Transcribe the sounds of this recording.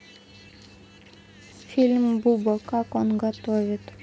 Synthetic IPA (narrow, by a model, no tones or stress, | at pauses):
filmbubɔkakɔŋɡat̪ɔɾet̪